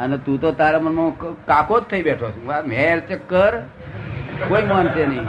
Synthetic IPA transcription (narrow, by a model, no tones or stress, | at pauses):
ənet̪ũt̪ot̪aɾamənmə̃kakot̪ʰːəibeʈʰot͡ʃʰameɾt͡ʃəkːəɾ | koimənt͡ʃʰenəɦĩ